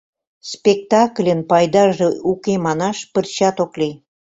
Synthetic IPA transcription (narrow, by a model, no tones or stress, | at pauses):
spʲek̚t̪ɑklʲənpɑjd̪ɑʒeukemɑnɑʃpərt͡ɕɑt̪okli